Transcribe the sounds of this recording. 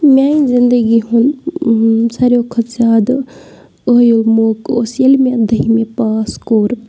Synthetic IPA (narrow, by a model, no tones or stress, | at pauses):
mʲjaːĩzɪnd̪əɡiɦũn | sɐɾjokʰɐaːd̪ | oɦjomoːko̰ːsjɐlmẽɐd̪ʱəɦimẽpaːskoːɾ